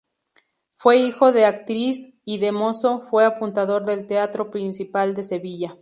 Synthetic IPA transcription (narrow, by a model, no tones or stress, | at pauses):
fwe̞ixo̞ðeakt̪ɾis | iðe̞mo̞so̞fwe̞apunt̪aðo̞ɾðe̞lt̪eat̪ɾo̞pɾinsipald̪e̞se̞βiʝa